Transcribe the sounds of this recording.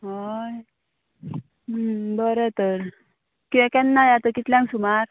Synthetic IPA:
ɦaj | bəɾet̪əɾ | kiɛ̃kɛ̃nːajat̪əkit̪ljãŋsumaɾ

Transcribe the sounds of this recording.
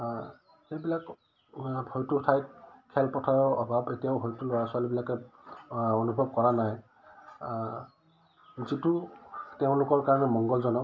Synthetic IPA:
xejbilak | bʱojtutʰajt̚kʰɛlpɔtʰajɔɔbʱabetijaʊbʱojtulɔɹasʊalibilakɛ | onubʱɔb̚kɔɹanaj | zituteʊ̃lʊkɔɹkaɹɔnɛmɔŋɡɔlzɔnɔ

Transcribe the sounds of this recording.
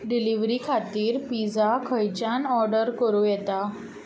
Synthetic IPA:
ɖiliʋɾiːkʰat̪iːɾpid͡zakʰəjt͡ɕanɔɾɖəɾkəɾuːjɛt̪a

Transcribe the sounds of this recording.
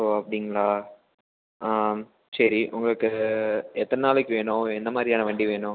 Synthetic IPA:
oɐpːɐɽɪŋɡɐɭaː | sɐɾiʔʊ̰ŋɡɐɭɯkːɯɛt̪ːɐnnaːlɛkːɯʋeːɳʊ̃ɛnd̪ɐmaːd̪ɾijaːnɐʋɐɳɖiʋeːɳʊ̃

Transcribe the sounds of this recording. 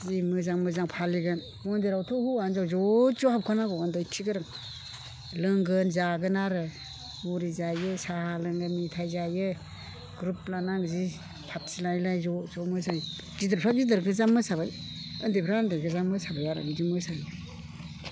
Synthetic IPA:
zimɯzaŋmɯzaŋpʰaliɡɯn | mɔndiɾawtʰɔhuanzawzɔzɔhap̚kʰanaɡɔɯndɔjkʰiɡɯɾɯŋ | lɯŋɡɯnzaɡɯnaɾɯ | muɾizajɯsahalɯŋɡɯnitʰajzajɯ | ɡ̥ɾup̚lanaŋɡzi | pʰatsilajlajzɔzɔmɯzaj | zidɯɾpʰɾazidɯɾɡɯzamːɯsabaj | ɯndepʰɾandeɡɯzamɯsabajaɾɯ̰ɡɯzimɯsaj

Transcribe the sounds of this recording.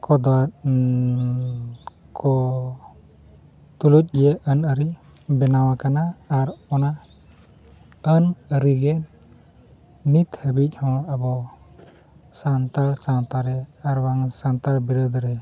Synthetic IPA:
kɔd̪waɾ | kʰɔ | t̪uluc̚ˀɡijɛʔənəɾi | bɛnawakanaːɾɔna | ənəɾiɡɛ | nit̪həbic̚ˀhɔ̃əbɔ | sant̪alsat̪aɾɛaɾwaŋsant̪aɾbiɾɔd̪ɾɛ

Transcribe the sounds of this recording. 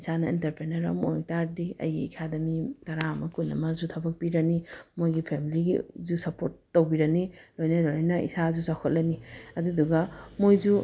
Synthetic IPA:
isanɐintɐɾpʰɾenɐɾɐ̰motaɾdiɐ̰jḭekʰadɐmitɐɾamɐkunːɐ̰mɐzutʰɐbɐk̚piɾɐnimojɡipʰemiliɡizusɐpʰoɾtːowbiɾɐnilojnɐloljnɐḭsazusakʰot̚lɐniɐduduɡɐmojzu

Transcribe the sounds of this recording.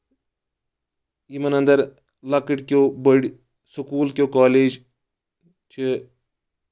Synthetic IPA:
imɐnɐnd̪ɐɾ | lɐkɨʈʲkʲoːbəɽʲ | sukuːlkʲjoːkaːleːd͡ʒ | t͡ʃʰi

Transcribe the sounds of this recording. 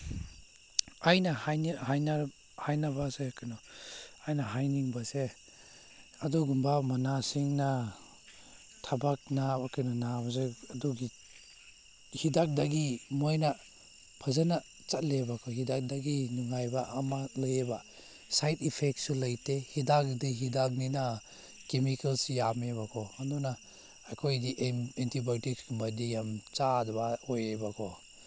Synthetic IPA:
ajnahajnɦajna | hajnabasekʰanɔajnaɦajniŋbase | aduɡumbamanasiŋna | tʰabak̚nabakɯnɔnabas̬eadɔɡi | hidak̚daɡimɔjna | pʰɐzana | t͡ʃat̚lebakʰɔhidak̚daɡinuŋajbaːmalɯjeba | sajtipʰek̚t̚sulajtehidak̚diɦidak̚nina | kemikalsijamebakʰɔhanduna | akʰojdiʔentʰibotiksɡmadijamt͡ʃadbaɔjebakʰɔ

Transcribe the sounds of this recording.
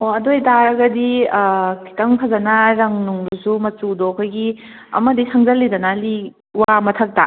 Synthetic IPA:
oɐdojtaɾɐɡɐdi | kʰi̥tɐmkʰɐzɐnɐɾɐŋnuŋdusumɐt͡ʃudɔkʰɔjɡi | ɐ̰mɐdisɐŋzɐlːidɐnɐli | wamɐtʰɐk̚ta̰

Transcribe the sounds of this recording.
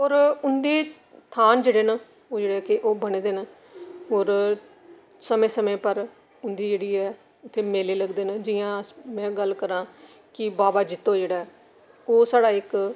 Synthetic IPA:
oːɾʊnd̪eː | t̪ʰaːnd͡ʒeːɽeːna | oːd͡ʒeːɽeːkeʔoːbəneːd̪eːnə | oːɾ | səmẽːsəmẽːpəɾ | ʊnd̪iːd͡ʒeːɽiːɛː | ʊt̪ʰːeːmeːleːləɡd̪eːnəd͡ʒɪjãːmɛ̃ːɡəlkəɾãː | kɪbaːbaːd͡ʒɪt̪ːõːd͡ʒeːɽaːɛ | oːsaːɽaːɪk

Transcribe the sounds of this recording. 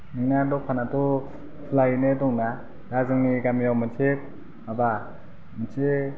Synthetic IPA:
niŋnadɔpʰanatɔ | pʰlajinedɔŋna | dazɯŋniɡamijawmɯnt͡ʃʰep̚ | maba | mɯt͡ʃʰe

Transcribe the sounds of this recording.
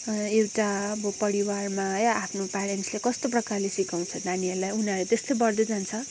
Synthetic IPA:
ewʈaʌbʌpʌɾiwarmajapʰnopaɾeɳʈslekʌst̪oprʌkarlesikaw̃t͡sʰʌnaniʌɾlajunʌɾet̪est̪ojbʌrd̪ʌd͡zant͡sʰʌ

